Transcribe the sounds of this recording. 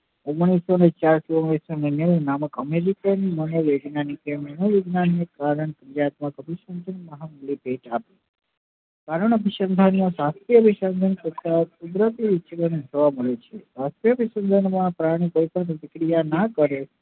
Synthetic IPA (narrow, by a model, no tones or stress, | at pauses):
uɡɽ̃isonet͡ʃaɾsuoɳʋisonenəʋunaməkəmeɾikənimənoʋeɡnanikemənoʋiɡnanːekaɾəɳkɾjat̪məkəbʱiʃənd̪ʱənməɦamulipeʈapi | kaɾəɳ̃əbʱiʃənd̪ʱənmõsast̪ɾijəbʱiʃənd̪ʱənkəɾt̪akud̪ɾət̪iʋit͡ʃələnedʱoʋaməɭet͡ʃʰesast̪ɾijəbʱisənd̪ʱənmãpɾaɽ̃ikoipəɳp̬ɾət̪ikɾijanakəɾe